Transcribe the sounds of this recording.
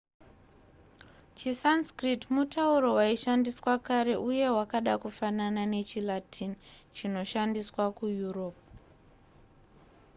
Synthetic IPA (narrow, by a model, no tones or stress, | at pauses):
t͡ʃisanskritmutauɾo̞waiʃandiswakaɾe̞ʔuje̞wakaɗakufananane̞t͡ʃilatʰint͡ʃino̞ʃandiswakujuro̞ːp